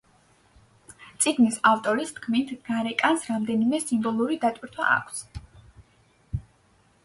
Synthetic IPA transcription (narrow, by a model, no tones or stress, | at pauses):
t̪sʼiɡnisaft̪ʼɔɾist̪kʰmint̪ʰɡ̥aɾɛkʼansɾamd̪ɛnimɛsimbɔlˠuɾid̪at̪ʼwiɾt̪ʰwa̰ʔa̰kʷʰs